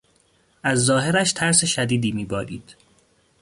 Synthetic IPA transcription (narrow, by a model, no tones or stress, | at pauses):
ʔæzːɒːɦe̞ɾæʃt̪ʰæɾseʃæd̪iːd̪iːmiːbɒːɾḭːd̪̥